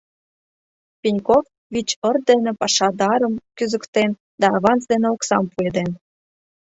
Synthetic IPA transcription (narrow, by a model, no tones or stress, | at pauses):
pʲinʲkof | βit͡ɕərd̪enĕpɑʃɑd̪ɑɾəmkyzə̆kt̪en | d̪ɑːβɑnt͡sd̪eneoksɑmpued̪en